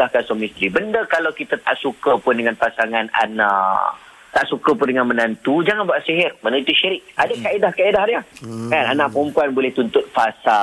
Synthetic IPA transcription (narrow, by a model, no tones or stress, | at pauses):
ahkansɔmĩst̪ɾibəndəkalawkit̪at̪aʔsukapʊndəŋãnpasaŋãna̰naʔ | t̪aʔsukəpʊndəŋanmənant̪ud͡ʒaŋanbaʔsiɦɪrmanãit̪uʃiɾɪk̚adakaedahkaedaɦaɾjakananãʔpəɾəmpuanbolɛht̪unt̪ʊt̪̚fasa